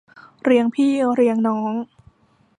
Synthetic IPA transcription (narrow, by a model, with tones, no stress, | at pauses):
ɾi˧əŋpʰiː˥˩ɾi˧əŋnɔː˦˥ŋ